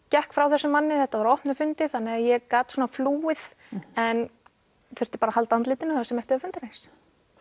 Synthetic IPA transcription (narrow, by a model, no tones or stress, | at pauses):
cɛhkfɾawθɛsːʏmanːɪθɛht̪avaɾɔhpnʏɾfʏnt̪ɪθanːɪɣajɛɣkaːt̪sɔːnafluːɪð | ɛn | θœɾ̥t̪ɪ̥ɾpaːɾahalt̪ant̪lɪːt̪ɪnʏasɛmɛft̪ɪœfʏnt̪ɾejns